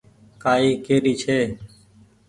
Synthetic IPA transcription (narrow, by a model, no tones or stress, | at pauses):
kaːiːkeːɾiːt͡ʃʰeː